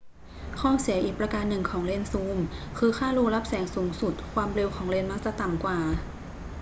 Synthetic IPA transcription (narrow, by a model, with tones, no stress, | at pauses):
kʰɔː˥˩si˨˩˦ʔiː˨˩k̚pɾa˧kaː˧nːɯ˨˩ŋkʰɔː˩˦ŋle˧nsuː˧˥mkʰɯː˧xʰaː˥˩ɾuː˧˥la˦˥p̚sɛː˩˦ŋsuː˩˦ŋsu˨˩t̪̚kʰwaː˧mɾe˧wkʰɔː˩˦ŋle˧nmaː˧˥˩sa˧˩t̪a˨˩mkwaː˨˩